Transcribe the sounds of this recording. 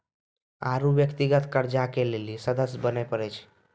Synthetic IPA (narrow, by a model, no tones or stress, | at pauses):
aɾubjəkt̪iɡət̪kəɾd͡ʒakelelisəd̪əsbənɛpəɾɛt͡ʃʰ